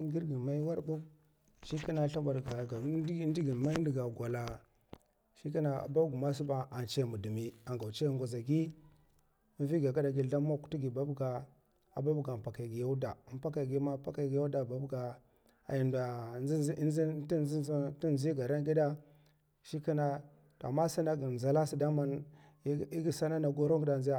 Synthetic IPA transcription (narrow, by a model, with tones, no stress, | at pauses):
ŋ˦ɡi˦ɾɡi˨ma˦i˦wa˦ɾbu˦b | ʃi˦ki˦na˨˦ɬa˦ba˨ɾɡa˨ɡa˨˦di˦ɡi˨ma˦n˦i˨ɡa˨ɡʷa˨la˨ | ʃi˦ki˦na˨a̰˨ba˦ɡu˨ma˦su˦ba˦a˨nt͡ʃe˦˨mu˨du˨mi˨a˨ŋɡa˨wt͡ʃe˦˨ŋɡʷa˨za˨ɡi˦ | vi˦ɡa˨ɡa˦da˨ɡi˨da˦ma˦ku̥˦tu˦ɡi˨ba˦bɡa˨ | a̰˨ba˦bɡa˨pa˨ka˨ɡi˨ja˦u˦da˨m˦pa˦ka˨ɡi˦ma˦pa˦ka˦˨ɡi˨ja˦u˦da˨ba˦bɡa˨ | a̰˨ji˨nda˨i˦i˦zi˦ti˦˨i˦ɡa˨ɾa˦ɡi˦da˦ | ʃi˦ki˦na˨ | to˨a̰˨mːa˦sa˦na˦ɡi˨za˨la˦si˦da˦ma˦n˦ | i˦ɡi˦sa˦na˦na˨ɡo˦ɾo˦ɡi˦da˨zi˦ja˦˨